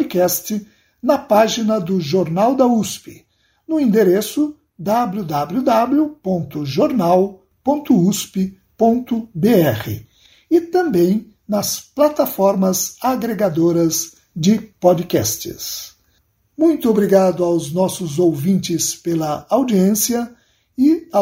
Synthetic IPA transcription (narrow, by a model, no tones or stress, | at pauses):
pd͡ʒɪkɛst͡ʃɪ | nɐpaʒinɐd̪ʊʒoɾnawd̪ɐuspɪ | nʊĩd̪eɾesʊ | d̪ablud̪ablud̪ablʊpõnt̪ʊʒoɾnaw | põnt̪ʊuspɪ | põnt̪ʊbeɛχɪ̰ | ɪt̪ɐ̃mbẽj̃ | nɐsplat̪afɔɾmɐzaɡɾeɡad̪oɾɐz | d͡ʒɪpɔd͡ʒɪkɛ̰st͡ʃɪ̰s | mũj̃t̪ʊobɾiɡad̪ʊawznɔsʊzowvĩnt͡ʃɪspelɐawd͡ʒiẽsiɐ | ɪ